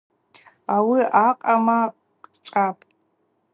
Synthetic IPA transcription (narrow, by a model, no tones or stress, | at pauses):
awiaqʼama | ʈ͡ʂʼapʼ